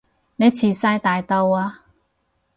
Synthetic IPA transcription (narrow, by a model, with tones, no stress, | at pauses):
nẽ˦t͡ɕʰi˨˩sa˧jt̪a˨jt̪ɔ˧wa˧